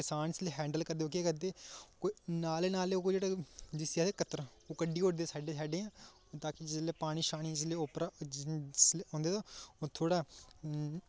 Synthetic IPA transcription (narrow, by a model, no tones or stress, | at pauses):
kɪsaːnɪsleːɦɛ̃ːɳɖəlkəɾd̪eːoːkeːkəd̪eːkoinaːleːnaːleoːd͡ʒeːɽaːd͡ʒɪsaːd̪eːkət̪əɾ | oːkəɖiːʊʈd̪eːsaːɖeːsaːɖeːãː | t̪aːkɪd͡ʒɪsleːpaːɽ̃iːʃaːɽ̃iːd͡ʒɪsleːʊpɾaːsleõːnd̪eːt̪oːt̪ʰoːɽaː